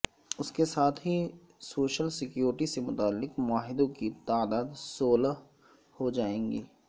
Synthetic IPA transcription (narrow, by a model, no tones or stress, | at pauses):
ʊskesaːt̪ʰɦi | soːʃəlsɪkjoːɾɪʈisemʊt̪aːlːɪqmʊaːɦɪd̪õkit̪aːd̪aːd̪soːla | hod͡ʒaːẽːɡiː